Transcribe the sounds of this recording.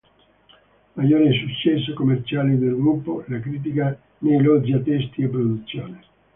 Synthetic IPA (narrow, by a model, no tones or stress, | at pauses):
majoːɾisut͡ʃːɛs̬ːokomːert͡ʃaːlid̪elɡɾupːoɛlakɾiːt̪̬ika | nejlɔd͡ʒiat̪ːɛst̪iepːɾod̪ut̪sːjoːne